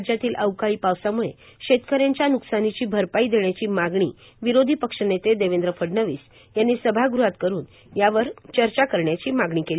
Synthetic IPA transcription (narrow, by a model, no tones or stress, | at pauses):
d͡ʑjat̪iːlʔəʋkaiːpaʋsamuɭeɕet̪kəɾjeɲt͡ɕjanuksanit͡ɕiːbʱəɾpaid̪eɳjat͡ɕiːmaɡɳḭː | ʋiɾod̪ʱipəkʂənet̪ed̪eʋend̪ɾəfəɖnəʋiːs | janːiːsəbʱaɡɾuɦat̪kəɾuːn | jaʋəɾt͡ɕəɾt͡ɕakəɾɳjat͡ɕiːmaɡɳiːkeli